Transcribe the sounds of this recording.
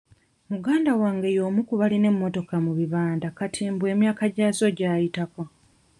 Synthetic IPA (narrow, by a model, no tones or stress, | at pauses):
muɡaːndawaːŋɡe̞jo̞ːmukuβaline̞mːo̞to̞kamuβiβaːndakatʰimbwe̞ːmjaːkaɟaːzo̞ɟaːjitako